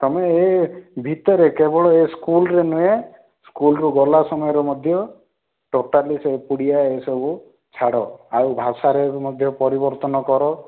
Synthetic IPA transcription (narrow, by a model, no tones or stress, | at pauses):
t̪ɔmeːbʱit̪ɔɾekebɔɽɔeskulɾenue | skulɔɾuɡɔlasɔmɔjɔɾɔmɔd̪ʱjɔ | ʈoʈalisepuɽijaesɔbu | t͡ʃʰaɽɔawbʱasaɾemɔd̪ʱjɔpɔɾibɔɾt̪ɔnɔkɔɾɔ